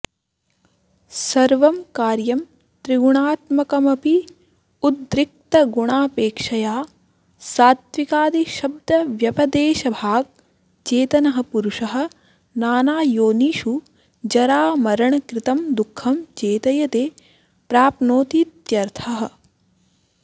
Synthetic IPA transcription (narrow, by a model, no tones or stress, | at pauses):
sɐɾʋɐmkaːɾjɐm | t̪ɾiɡuɳaːt̪mɐkɐmɐpi | ud̪ɾɪk̚t̪ɐɡuɳaːpeːkʂɐjaː | saːt̪ʋikaːd̪iʃɐb̚d̪ʱɐʋjɐpɐd̪eːʃɐbʱaːɡ̚ | t͡ʃeːt̪ɐnɐɦɐ̆puɾuʂɐɦɐ̆ | naːnaːjoːniːʃu | d͡ʒɐɾaːmɐɾɐɳɐkɾɪt̪ɐmd̪ukʰːɐmt͡ʃeːt̪ɐjɐt̪eː | pɾaːpnoːt̪it̪jɐɾt̪ʰɐɦɐ̆